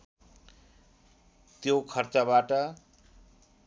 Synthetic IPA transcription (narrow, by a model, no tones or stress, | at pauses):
t̪jokʰʌrt͡sabaʈʌ